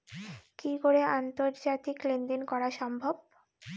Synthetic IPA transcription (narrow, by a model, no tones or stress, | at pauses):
kikoɾeant̪oɾd͡ʑat̪iklend̪enkɔɾaʃɔmbʱob̚